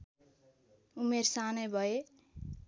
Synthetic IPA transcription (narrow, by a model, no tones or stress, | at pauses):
umersanʌjbʱʌe